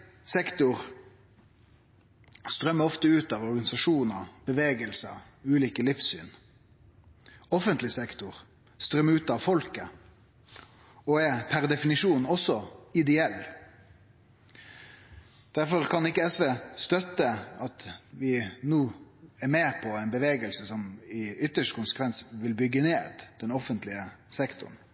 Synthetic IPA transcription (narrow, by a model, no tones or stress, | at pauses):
sɛkt̪ʊʁ | st̪ɾœmːəɔft̪əʉːt̪ɑʋɔɾɡɑnɪsɑʂuːnəb̥əʋeːɡəlsə̰ʉːliːkəlɪfsy̰ːn | ɔfənt̪lɪsɛkt̪ʊʁ | st̪ɾœmːəʉːt̪ɑʋfɔlkə | ɔɛpʰæʁd̪ɛfɪnɪʂuːnɔsɔɪd̪ɛɛlː | d̪̥æɾfɔɾkʰɑnɪkːəɛsʋeːst̪œt̪ːəɑt̪ʋɪnuːɛɾmeːpʰɔɛɪnbəʋeːɡəlsəsɔmɪʏt̪ːəʂkʰʊnsə̥kʰʋɛnsʋɪlbʏɡːəneːd̪d̪̥ɛnɔfənt̪lɪəsɛkt̪ʊ̰ɳ